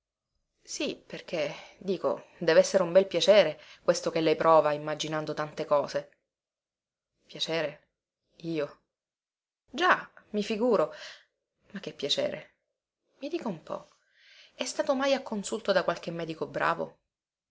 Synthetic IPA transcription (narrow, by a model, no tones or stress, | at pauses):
siperk̟ed̪iːko̰d̪ɛːvɛsːeɾeumbɛlpjat͡ʃɛːɾekwest̪okelːɛjpɾɔːvaimːad͡ʒinand̪ot̪ant̪ekɔːze | pjat͡ʃɛːɾe | iːo | d͡ʒamifiɡuːɾo | makːepːjat͡ʃɛ̰ːɾḛ | mid̪iːkoumpɔ̰ | ɛst̪aːt̪omajakːonsult̪od̪akwalk̟emːɛːd̪ikobɾʔa̰ːvo̰